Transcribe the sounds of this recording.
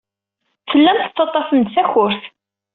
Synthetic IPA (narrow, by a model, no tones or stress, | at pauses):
θəlːæmt̪ə̥t͡sːɑt̪ˤːɑsənd̪θæçʊɾθ